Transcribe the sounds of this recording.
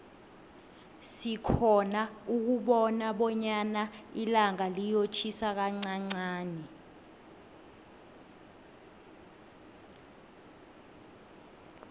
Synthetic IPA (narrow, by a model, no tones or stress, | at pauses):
sikʰɔnauk̬uɓɔnaɓɔɲanailaŋalijot͡ʃʰisak̬aŋ͡ǀaŋ͡ǀaːnɛ